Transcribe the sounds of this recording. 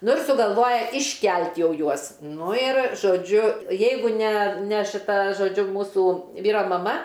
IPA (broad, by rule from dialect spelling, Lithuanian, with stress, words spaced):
ˈnʊ ɪr sʊɡɐlˠˈʋoːjɛ ɪʃʲˈkʲɛlʲtʲ ˈjɛʊ ˈjuɔs ˈnʊ ɪr ʒoːˈd͡ʒʲʊ ˈjɛɪɡʊ nʲɛ nʲɛ ʃʲɪˈtɐ ʒoːˈd͡ʒʲʊ ˈmuːsʊ ˈʋʲiːroː mɐˈmɐ